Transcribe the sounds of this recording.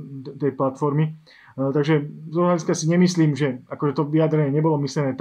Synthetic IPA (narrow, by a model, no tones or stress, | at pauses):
t̪ɛjplat̪fɔɾmi | t̪aɡʒɛt̪ɔlaliskasiɲɛmisliːmʒɛakɔʒɛt̪ɔʋiad̪ɾɛɲɛɲɛbɔlɔmisʎɛnɛːt̪